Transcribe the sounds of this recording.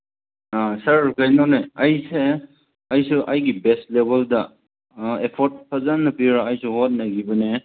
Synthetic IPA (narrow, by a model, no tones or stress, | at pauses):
asɐɾkajnɔneɐjse | ɐjsuʔɐjɡibestlebeldɐ | epʰɔɾt̚pʰazanːɐpiɾaːjsuɦɔt̚naɡibɐne